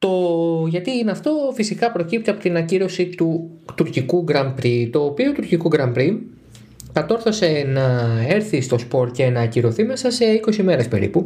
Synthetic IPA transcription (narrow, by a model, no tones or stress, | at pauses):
t̪o̞ʝɐt̪inɐft̪o̞fisikɐpɾo̞cip̚t̪eɐpo̞t̪inɐnɐciɾo̞sit̪ut̪uɾcikuɡɾɐmpɾit̪o̞ːpio̞t̪uɾcikuɡɾɐmpɾi | kɐt̪o̞ɾθo̞se̞nɐe̞ɾθist̪o̞spo̞ɾt̪ce̞nɐciɾo̞θime̞sɐse̞iko̞sime̞ɾespe̞̰ɾḭpu